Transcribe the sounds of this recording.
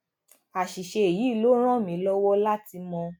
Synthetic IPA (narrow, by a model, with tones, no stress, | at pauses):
a˨ʃi˨ʃe˧e˨ji˨˦i˦˨lo˦ɾ̃ã˦˨mĩ˨˦lɔ˦wɔ˦la˦ti˧mɔ̃˧